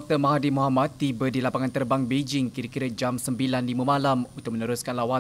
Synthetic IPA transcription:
ɔk̚t̪əmaɦadimuɦamat̪̚ːibədilapaŋant̪ərbaŋbed͡ʒɪŋkiɾakiɾad͡ʒamsəmbilanlimumãlamunt̪ʊk̚mənəɾuskanlawa

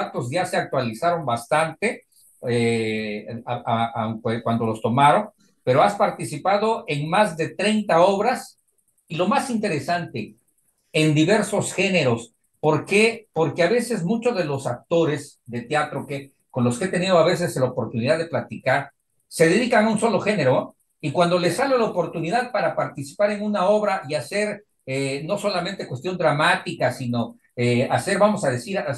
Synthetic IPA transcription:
at̪o̞zʝase̞ak̚t̪walisaɾo̞mbast̪ant̪e̞ | e | aakekwand̪o̞lo̞st̪o̞maɾo̞ŋ | pe̞ɾoaspaɾt̪isipaðo̞ʔe̞ŋmazðe̞t̪ɾe̞jnt̪ao̞β̞ɾas | ilo̞masint̪e̞ɾe̞sant̪e̞ | end̪iβe̞ɾso̞sxe̞ne̞ɾo̞s | po̞ɾke̞po̞ɾke̞aβe̞se̞zmut͡ʃozðelosak̚t̪o̞ɾe̞s | ðe̞t̪jat̪ɾo̞ke | ko̞nlo̞skee̞t̪e̞nið̞o̞aβe̞s̬e̞slaopo̞ɾt̪uniðaðe̞plat̪ikaɾ | se̞ðe̞ðikaŋaunso̞lo̞xe̞ne̞ɾo | ikwand̪o̞le̞salelaopo̞ɾt̪uniðaðpaɾapaɾt̪isi̥paɾenunao̞βɾaʔiase̞ɾ | eno̞so̞lame̞nt̪e̞kwe̞st̪jo̞nd̪ɾamat̪ikasino̞ | ease̞ɾβamo̞sað̞e̞siɾa

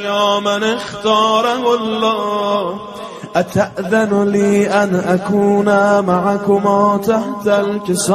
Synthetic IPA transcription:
jɑːmanext̪ɑːɾahʊlːɑː | ʔat̪ʰaʔðanliːʔanʔakʰuːnamaʕakʊmaːt̪ʰaht̪alkɪsː

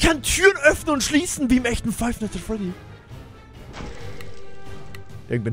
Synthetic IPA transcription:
kʰantʰyːʁənʔœfnənʊntʃliːsn̩viːɪmɛçtn̩faɪfnɛtəfɔɐdiːɐ | ʔɪ̰ɐɡŋ̩tv̥i

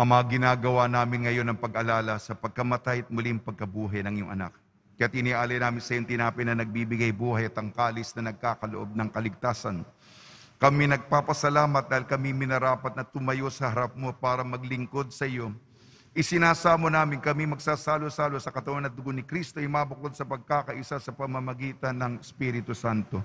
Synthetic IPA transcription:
ʔɐmɐŋaɡɪnaːɡɐwanaːmɪnŋɐjo̞nɐŋpɐɡʔɐlaːlɐsɐpɐɡ̚kɐmɐt̪ajɐt̪̚mʊliŋpɐɡ̚kɐbuːɦɐjnɐŋjoŋʔɐ̰na̰k̚ | kɐjat̪̚ʔɪniʔaːlɐjnaːmɪnsɐjoŋt̪ɪnaːpɪnɐnɐɡ̚bibɪɡajbuːɦɐjɐt̪ɐŋkaːlɪsnɐnɐɡ̚kaːkɐloʔo̞b̚nɐŋkɐlɪɡ̚t̪aːsɐn | kɐminɐɡ̚papɐsɐlaːmɐt̪̚d̪aːhɪlkɐmimɪnɐɾaːpɐt̪̚nɐt̪ʊmɐjo̞sɐhɐɾɐp̚mo̞paːɾɐmɐɡlɪŋko̞d̪̚sɐjo̞ | ʔɪsɪnaːsaːmonaːmɪnkɐmimɐɡsaːsaːlosaːlosɐkɐt̪ɐwanɐd̪ʊɡonɪkɾist̪oʔɛmabʊko̞d̪̚sɐpɐɡ̚kaːkɐʔɪsasɐpɐmɐmɐɡiːt̪ɐnːɐŋɛspiːɾɪt̪ʊsant̪o̞

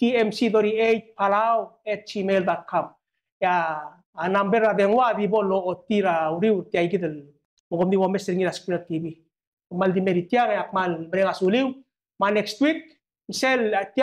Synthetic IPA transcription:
tiemsidoɾiejt̚palawet̚t͡ʃimeld̪at̚kʰam | eaː | nambeɾabeŋwadiboloːt̪ːiɾawɾiwɾt̪iajɡid̪el | moɡomd̪iβomeseɾŋiɾaskɾiatibi | omald̪imeɾit̪jaŋeak̚malməɾeŋasuliw | manekstwik̚ | iselt̪

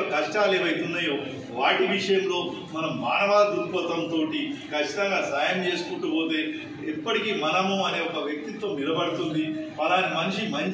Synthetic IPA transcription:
ɐkɐʂʈaːleːʋɐjt̪unːaːjoː | ʋaːʈiʋiʂɐjɐmlo̞ː | mɐnɐmːaːnɐʋaːd̪uɾpɐt̪ɐmt̪o̞ːʈikɐt͡ʃːi̥t̪ɐŋɡaːsaːjɐmt͡ʃe̞ːsu̥kuɳʈupo̞ːt̪e̞ː | ipːɐʈikiːmɐnɐmuɐne̞ːɔkɐʋjɐk̚t̪it̪ːoːnilɐbɐɽut̪und̪iɐlaːnimɐnʃimɐɲ

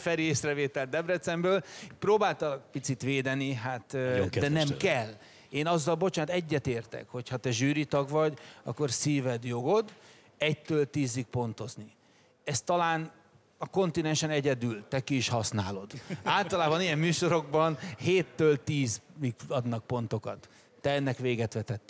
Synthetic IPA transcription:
fɛɾieːsrɛveːt̪ɛlt̪d̪ɛbrɛt̪sɛmbøːlproːbaːlt̪ɒlɒɡpit̪sit̪ʋeːd̪ɛniɦat̪d̪ɛnɛmkɛl | eːnɒzːɒlbo̞t͡ʃaːnt̪ɛɟːɛt̪eːrt̪ɛ̰kho̞chɒt̪ɛʒyːɾit̪ɒɡʋɒɟɒ̰kːo̞rsiːvɛd̪jo̞ɡo̞d̪ | ɛc̚t̪ːøːlt̪iːzik̚po̞nt̪o̞zni | ɛst̪ːɒlaːn | ɒko̞nt̪inɛnʃɛnɛɟɛd̪ylt̪ɛkiːʃhɒsnaːlo̞d̪aːlt̪ɒlaːbɒnijɛmːyːʃo̞ɾo̞ɡbɒnheːt̪ːøːlt̪iːziɡɒd̪nɒk̚po̞nt̪o̞kɒt̪ː | ɛɛnːɛkʋeːɡɛt̪ʋɛt̪ɛt̪ːi

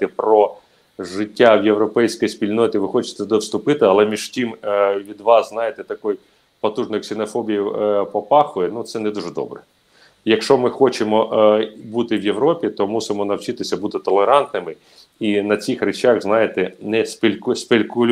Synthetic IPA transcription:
t̪ɛpɾɔ | ʒɪtʲːawjewɾɔpɛjsʲkɔjspʲilʲnɔt̪ʲɪʋɪxɔt͡ʃɪ̥t̪ɛd̪ɔwst̪ʊpɪt̪ɪɐlˠɛmʲiʒ̥tʲimʋʲid̪ʋɑsznɑjɪt̪ɛt̪ɐkɔj | pɔt̪uʐnɔjksɪnɔfɔbʲijiwpɔpɑxʊjɛnut̪sɛnɛd̪uʐɛd̪ɔ̰bɾɛ | jɐkʃt͡ʃɔmɪxɔt͡ʃɪmɔbut̪ɪwjewɾɔpʲit̪ɔmusɪmɔnɐwt͡ʃit̪ɪsʲɐbut̪ɪt̪ɔlˠeɾɑnt̪nɪmɪ | inɐt͡sʲixɾet͡ʃaɣznɑjet̪ɛnɛsʲpʲɪlʲsʲpʲelʲkʊlʲ

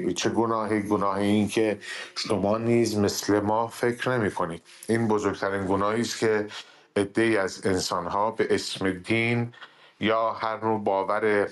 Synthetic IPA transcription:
t͡ʃʰe̞ɡonɒːɦiːɡonɒːhiiːncʰe̞ʃomɒːniːzme̞sle̞mɒːfe̞cʰɾne̞miːkʰo̞niːd̪̥ | iːnbozoɾɡt̪ʰæɾiːnɡonɒːhiːst̪cʰe̞ | ed̪ːe̞iːæzensɒːnɦɒːbe̞ʔesmed̪iːn | jɒːhæɾnobɒːvæɾe̞

